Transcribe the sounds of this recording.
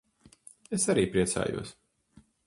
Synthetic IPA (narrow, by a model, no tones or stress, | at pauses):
esaɾiːpɾiɛsa̰ːjṵɔs